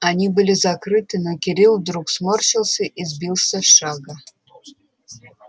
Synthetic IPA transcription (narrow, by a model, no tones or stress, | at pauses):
anʲibɨlʲizɐkrɨt̪ɨnokʲɪɾʲilˠvd̪ɾuksmorʃilˠsʲɨʔizbʲilˠsʲəʂaɡa